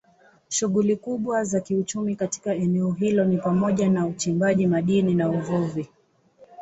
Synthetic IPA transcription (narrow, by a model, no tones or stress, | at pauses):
ʃuɠulikuɓwazakiut͡ʃumikati̥kaɛnɛɔɦilɔnipamɔʄanaut͡ʃimbaʄimaɗininauvuvi